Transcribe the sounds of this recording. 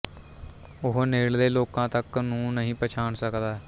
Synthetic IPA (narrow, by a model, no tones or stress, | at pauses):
ʊɦneːld̪eːloːkãːt̪əknũːnəɦĩːpət͡ʃʰaːɳsəkd̪aː